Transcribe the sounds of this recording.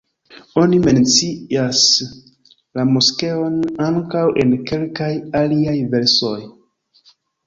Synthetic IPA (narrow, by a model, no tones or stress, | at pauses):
o̞nime̞nt͡sias | lamuske̞o̞naŋkawʔe̞̰nke̞lkajaliajve̞ɾso̞j